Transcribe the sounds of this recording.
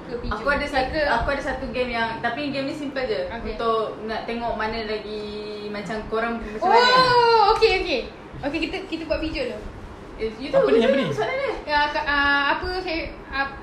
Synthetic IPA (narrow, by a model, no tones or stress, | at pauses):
kəbiakuadasatakuadasat̪uɡɛmjaŋt̪apiɡɛmnĩsimpat̪̚d͡ʒaunt̪ʊʔnaʔt̪eŋɔʔmanə̃laɡimat͡ʃamkoɾaŋməsao | okeoke | okekit̪əkit̪əbuaʔbid͡ʒʊʔlo | jut̪usaʔadəakaʔəapəsaj | a